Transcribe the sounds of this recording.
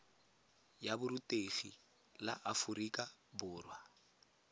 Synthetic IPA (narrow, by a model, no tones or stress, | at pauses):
jabʊɾutʼeɣi | la̰ʔafʊɾikʼabʊːrwa